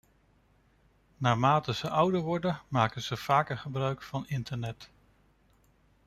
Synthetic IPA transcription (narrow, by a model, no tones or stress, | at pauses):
naːmaːtəz̥əʔʌwdəɹʋɔɹdənmaːkənz̥əv̥aːkəχəbrœɥkfɑnɪntəɹnɛt